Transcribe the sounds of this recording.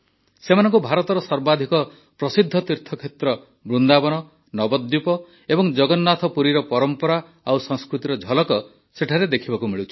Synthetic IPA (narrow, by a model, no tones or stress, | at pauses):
semanɔŋkubʱaɾɔt̪ɔɾɔsɔɾbad̪ʱikɔ | pɾɔsid̪ʱːɔt̪iɾt̪ʰɔkʰet̪ɾɔ | bɾund̪abɔnɔ | nɔbɔd̪jupɔ | ebɔŋd͡ʒɔɡɔnːat̪ʰɔpuɾiɾɔpɔɾɔmpɔɾa | awsɔ̃ŋskɾut̪iɾɔd͡ʒʱɔlɔkɔ | seʈʰaɾed̪ekʰibakumiɭut͡ʃʰi̥